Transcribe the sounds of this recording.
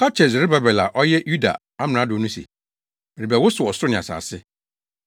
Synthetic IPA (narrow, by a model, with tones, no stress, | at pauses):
pʰa˦t͡ʃʰɛ˨s̬ɾɪ˦ba˨bɛ˨la̰˨ʔɔ˦jɛ˦ju˦da̰˨ | a˦mɪ̃˨nã˨˦dʊ˨˦nũ˦sḭ˨ | mɪ˨ɾɪ˨bɛ˨wʊ˦sʊ˨ɔ˨sʊ˦ɾʊ˦nɪ̃˨a̰˨sa̰ː˨sɪ˦